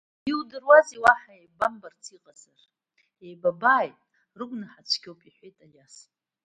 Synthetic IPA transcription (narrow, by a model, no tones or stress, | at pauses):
iwdɨrwaziwaħaejbambart͡sʰiqʼazar | ejbabaːjtʼ | rɨɡʷnɨħat͡ʃʷʰɡʲowpʼiħʷejtʼajas